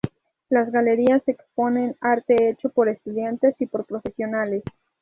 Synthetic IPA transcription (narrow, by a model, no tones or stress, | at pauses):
lazɣale̞ɾiasekspo̞ne̞naɾt̪e̞et͡ʃo̞po̞ɾe̞st̪uðjant̪e̞sipo̞ɾpɾo̞fe̞sjo̞nale̞s